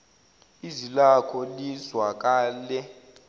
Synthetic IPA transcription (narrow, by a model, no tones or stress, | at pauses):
izilakʰɔlizwak̬ʼaːlɛ